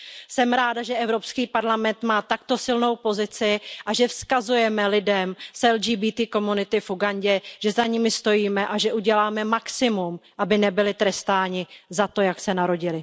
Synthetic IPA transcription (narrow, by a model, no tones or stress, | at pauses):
sɛmɾaːdaʒɛʔɛvɾo̞pskiːpaɾlamɛnt̪maːt̪akt̪o̞sɪlno̞wpo̞zɪt͡sɪʔaʒɛfskazujɛmɛlɪdɛmsɛld͡ʒiːbiːt̪iːko̞munɪt̪ɪfuɡanɟɛʒ̥ɛzaɲimɪst̪o̞jiːmɛʔaʒɛʔuɟɛlaːmɛmaksɪmumʔabɪnɛbɪlɪt̪ɾɛst̪aːɲɪzat̪o̞jaksɛnaɾo̞ɟɪlɪ